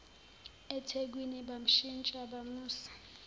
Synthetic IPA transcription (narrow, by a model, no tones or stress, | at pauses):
ɛtʰek̬winiɓam̩ʃint͡ʃʼaɓamuːsi̥